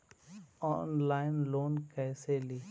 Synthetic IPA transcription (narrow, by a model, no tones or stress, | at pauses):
ɔːnlaːɪnloːnkɛːseliː